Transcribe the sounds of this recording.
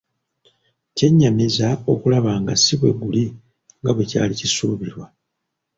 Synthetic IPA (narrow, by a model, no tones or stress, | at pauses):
ce̞ɲːamizao̞kulaβaːŋɡasiβwe̞̰βuli | ŋɡaβwe̞ca̰ːlicisuːβiɾwa